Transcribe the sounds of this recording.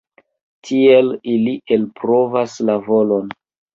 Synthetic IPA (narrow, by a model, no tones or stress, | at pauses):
tʰie̞lilie̞lpɾo̞vaslavo̞lo̞n